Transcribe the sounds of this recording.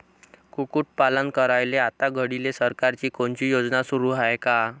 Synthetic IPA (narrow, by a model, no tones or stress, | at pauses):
kukuːʈ̚palənkəɾajleat̪aɡʱəɽilesəɾkaɾt͡ɕiːkoɳt͡ɕiːjod͡znasuɾuːɦajka